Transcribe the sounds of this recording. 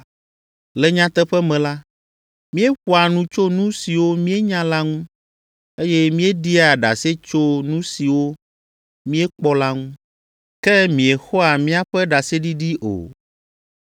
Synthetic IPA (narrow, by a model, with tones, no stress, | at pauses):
lɛ˨ɲã˦t̪ɛ˦ɸɛ˦mɛ̃˨la˦ | mĩ˦e˦ɸu˦a˨nũ˦t͡ʃo˦nũ˦si˨wo˦mĩ˦e˦ɲã˦la˦ŋũ˦ | e˦jɛ˦mĩ˦e˦ɖi˦a˨ɖa̰˨se˦t͡ʃo˦nũ˦si˨wo˦ | mĩ˦e˦k͡pɔ˦la˦ŋũ˦ | kɛ˦mĩ˨e˨xɔ˦a˨mĩ˦a˦ɸɛ˦ɖa˨se˦ɖi˦ɖi˦ʔo̰˨